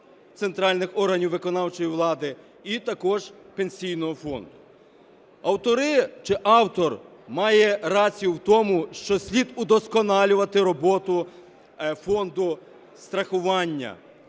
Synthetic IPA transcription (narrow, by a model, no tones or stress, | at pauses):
t̪sent̪ɾɑlʲnɪxɔrɦɐnʲiwʋɪkɔnɑwt͡ʃɔjiʋlˠɑd̪ɪ | it̪ɐkɔʒpe̞nʲsʲijnɔɦɔfɔ̰nd̪ʊ | ɐwt̪ɔɾɪt͡ʃɪʔɑwt̪ɔrmɑjɛrɑt͡sʲijʊwt̪ɔmʊʃt͡ʃɔsʲlʲid̪ʊd̪ɔskɔnɑlʲʊʋɐt̪ɪɾɔbɔt̪ʊ | fɔnd̪ʊ | st̪ɾɐxʊʋɑnʲːɐ̰